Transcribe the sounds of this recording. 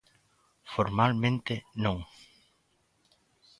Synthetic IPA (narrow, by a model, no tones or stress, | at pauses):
foɾmalmẽnt̪enõŋ